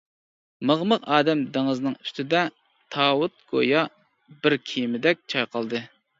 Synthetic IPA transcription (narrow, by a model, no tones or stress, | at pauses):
məʁməqɑːd̪ɛmd̪eŋɨznɨŋy̥st̪ʰɪd̪ɛ | t̪ʰɑːwut̪̚ɡ̥o̰jɑ | bɪɾkʲʰijmɪd̪ɛk̚ʲt͡ʃʰɑjqʰɑlˠd̪ɨ